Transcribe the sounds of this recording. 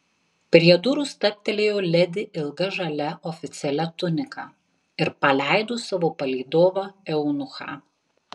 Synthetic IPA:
pʲɾʲiɛd̪ʊɾʊst̪ɐp̚ʲt̪ʲɛlʲeːjoːlʲɛd̪ʲɪʔɪlˠɡɐʒɐlʲɛʔɔfʲɪt̪sʲɛlʲɛt̪ʊnʲɪkɑː | ɪɾpɐlʲæˑɪd̪oːsɐʋoːpɐlʲiɪd̪oːʋɐɛʊnʊxɑ̰ː

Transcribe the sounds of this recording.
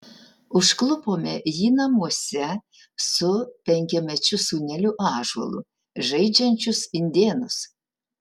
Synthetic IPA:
ʊʃklˠʊpoːmʲɛjiːnɐmuɔsʲɛ | sʊpʲɛŋʲkʲɛmʲɛt͡ʃʲʊsuːnʲɛlʲuʔɑːʒɐ̰lˠʊ̰ | ʒɐɪd͡ʒʲɛnʲt͡ʃʲʊsɪnʲd̪ʲeːnʊs

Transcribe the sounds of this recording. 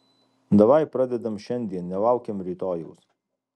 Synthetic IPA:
d̪ɐʋɑjpɾɐd̪ʲɛd̪ɐmʃʲɛnʲd̪ʲiɛnnʲɛlˠɑˑʊkʲemɾʲiːt̪oːjɛʊs

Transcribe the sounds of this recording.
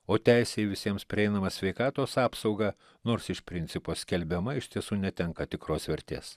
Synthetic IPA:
oːt̪ʲæˑɪsʲeːɪʋʲɪsʲiɛmspʲɾʲɪɛɪnɐmɐsʲʋʲɛɪkɑːt̪oːsɑːpsɒʊɡɑ | noːɾsɪʃpʲɾʲɪnʲt̪sʲɪpoːsʲkʲɛlʲbʲɛmɐɪʃt̪ʲiɛsuːnʲɛt̪ʲɛŋkɐt̪ʲɪkɾoːsʋʲɛɾʲt̪ʲḛːs

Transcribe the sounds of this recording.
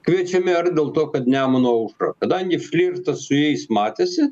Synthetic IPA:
kʋʲiɛt͡ʃʲɛmʲɪɐrd̪ʲeːlˠt̪oːkɐt̪nʲæːmɐnoːɐʊʃɾɐ̰kɐd̪ɐŋʲɡʲɪfʲlʲiːɾt̪ɐsʊjɛɪsmɑːt̪ʲeːsʲɪ

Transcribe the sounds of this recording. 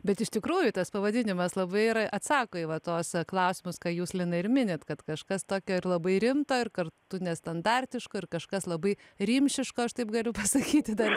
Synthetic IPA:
bʲɛt̪ɪʃt̪ʲɪkɾuːjʊt̪ɐspɐʋɐd̪ʲɪnʲɪmɐslˠɐbɐɪɪɾɐʔɐt̪sɑːkoːɪʋɐt̪oːsklˠɐʊsʲɪmʊskɑːjuːslʲɪnɐɪɾmʲɪnʲeːt̪kɐt̪kɐʃkɐst̪oːkʲoːɪrlˠɐbɐɪɾʲɪmt̪oːɪrkɐrt̪ʊnʲɛst̪ɐnd̪ɑːrʲt̪ʲɪʃkoːɪrkɐʃkɐslˠɐbɐɪ | ɾʲimʲʃʲɪʃkoːɐʃt̪ɐɪpɡɐlʲʊpɐsɐkʲiːt̪ʲɪd̪ɐr

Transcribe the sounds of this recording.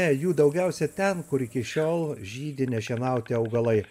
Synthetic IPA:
ɛjuːd̪ɐʊɡʲɛˑʊsʲɛt̪ʲɛnkʊɾɪkʲɪʃʲoːlˠʒʲiːd̪ʲɪnʲɛʃʲiɛnɐˑʊt̪ʲɪɐʊɡɐlˠɐɪ

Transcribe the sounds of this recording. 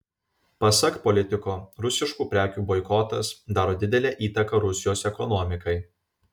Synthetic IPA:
pɐsɐkpɔlʲɪt̪ʲɪkoːɾʊsʲɪʃkuːpʲɾʲæːkʲuːbɔɪkɔt̪ɐsd̪ɑːɾoːd̪ʲɪd̪ʲɛlʲeːʔiːt̪ɐkɐɾʊsʲɪjoːsɛkɔnɔːmʲɪkɐɪ

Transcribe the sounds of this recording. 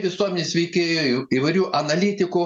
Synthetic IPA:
ʋʲɪsuɔmʲnʲɪːsʲʋʲɛɪkʲeːjʊiːʋɐɪɾʲuːʔɐnɐlʲiːt̪ʲɪkʊ

